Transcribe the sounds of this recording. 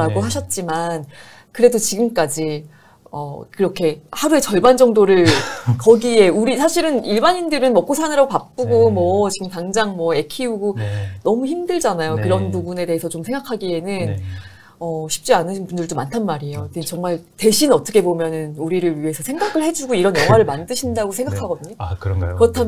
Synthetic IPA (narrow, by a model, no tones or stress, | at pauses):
aɡoɦaɕʰʌt̚t͡ɕ͈iman | kɯɾe̞dot͡ɕiɡɯmk͈ad͡ʑi | ʌkɯɾʌkʰe̞haɾue̞t͡ɕʌɭband͡ʑʌŋdoɾɯɭkʌɡie̞uɾisʰaɕʰiɾɯniɭbaɲindɯɾɯnmʌk͈osʰanɯɾaɡopak̚p͈uɡomwʌt͡ɕiɡɯmtaŋd͡ʑaŋmwʌe̞kʰiuɡonʌmuçimdɯɭd͡ʑanajokɯɾʌnpubune̞de̞ɦesʰʌt͡ɕomsʰe̞ŋɡakʰaɡie̞nɯn | ʌɕʰi̥p̚t͡ɕ͈ianɯɕʰnpundɯɭtomantʰanmaɾiejotʰet͡ɕʌŋmaɭte̞ɕʰinʌt͈ʰʌkʰebomjʌnɯnuɾiɾɯɭɥiɦe̞sʰʌsʰe̞ŋɡakʰɯɭhe̞d͡ʑuɡoiɾʌnjʌŋɦwaɾɯɭmandɯɕʰindaɡosʰe̞ŋɡakʰaɡʌdɯɲokɯkɯɾʌtʰam